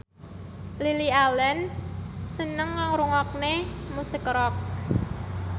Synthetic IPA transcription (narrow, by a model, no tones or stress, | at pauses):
lilialɛnsənəŋːaŋɾuŋɔk̚nemusikɾɔk̚